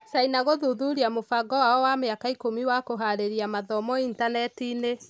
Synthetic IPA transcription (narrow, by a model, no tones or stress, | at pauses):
sainaɣoðuðuɾiamofaɡɔwaɔwameakaikomiwakoɦaɾeɾiamaðɔmɔintanɛtine